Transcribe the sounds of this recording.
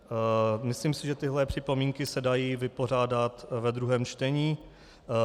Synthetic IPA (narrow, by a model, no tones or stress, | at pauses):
mɪsliːmsɪʒɛt̪ɪɦlɛpr̝̥ɪpo̞miːŋkɪsɛdajiːvɪpo̞r̝aːdat̪vɛd̪ɾuɦɛːmt͡ʃt̪ɛɲiː